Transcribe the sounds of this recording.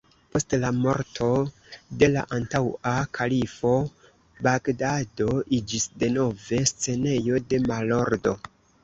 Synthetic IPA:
po̞stlamo̞̰ɾtʰo̞ | de̞la̰ʔantawakʰalifo̞ | baɡdado̞ʔid͡ʒisde̞no̞ve̞st͡se̞ne̞jo̞de̞malo̞ɾdo̞

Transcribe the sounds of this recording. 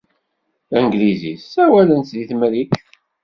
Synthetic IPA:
əŋɡlizḭsːæwælənt̪ðiθmɾik

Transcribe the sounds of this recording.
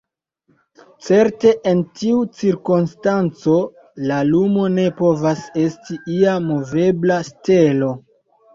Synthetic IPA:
t͡se̞ɾte̞ʔentiut͡siɾkonstant͡so̞ | lalumo̞ne̞po̞vase̞stiiamo̞ve̞blaste̞lo̞

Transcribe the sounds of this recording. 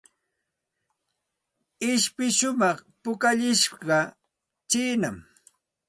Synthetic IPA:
ɪʃpɪʃʊmɑχpʊkaʎɪʃɢɑ | t͡ʃiːnam

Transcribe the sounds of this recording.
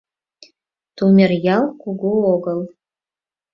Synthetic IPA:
t̪umʲerjɑlˠkuɡuoɣɤlˠ

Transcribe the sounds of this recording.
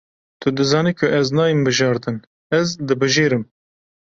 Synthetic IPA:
t̪ʰʊd̪ɨzɑːniːkʰʊʔɛznɑːjimbɨʒɑːɾd̪ɨn | ɛzd̪ɨbɨʒeːɾɨm

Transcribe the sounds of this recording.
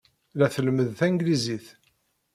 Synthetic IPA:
læθəlməðθæŋɡliziθ

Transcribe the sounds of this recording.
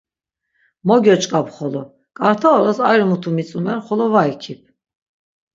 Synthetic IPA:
mɔɡɔt͡ʃʼkʼapχɔlɔ | kʼaɾt̪ʰaɔɾasajɾmut̪ʰumit͡sʼumɛnχɔlɔvajkʰip̚ʰ

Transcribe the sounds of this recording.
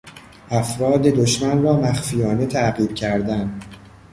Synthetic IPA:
ʔæfɾɒːd̪e̞d̪oʃmænrɒːmæxfijɒːne̞t̪ʰæɢiːb̥̚cʰæɾd̪æn

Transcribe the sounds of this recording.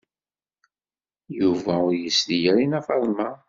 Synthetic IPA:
juvæʊɾjəslijæɾinæfɑðˤmɑ

